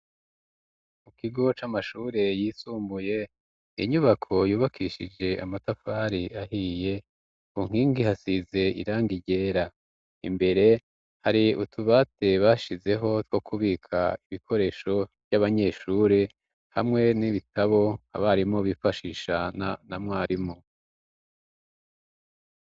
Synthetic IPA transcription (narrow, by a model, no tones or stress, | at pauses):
mukiɡo̞t͡ʃamaʃuːɾe̞jiːsuːmbuje̞ | ḭɲuβakʰo̞juːβakʰiʃid͡ʒe̞a̰matafaːɾiahije̞ | kuŋ̥hiːŋɡihasize̞ḭɾaːŋɡiɟe̞ːɾa | ḭmbe̞ɾe̞ | haɾiutʰuβate̞βaːʃize̞ɦo̞two̞kʰuβikʰa̰iβikʰo̞ɾe̞ʃo̞vjaβaɲe̞ːʃuːɾe | ha̰mŋe̞niβitʰaβo̞a̰βaɾimo̞βifaʃiːʃananamŋaːɾimo